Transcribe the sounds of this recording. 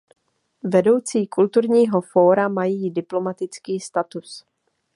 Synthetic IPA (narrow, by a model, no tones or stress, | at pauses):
vɛdo̞wt͡siːkult̪uɾɲiːɦo̞fo̞ːɾamajiːdɪplo̞mat̪ɪt͡skiːst̪at̪us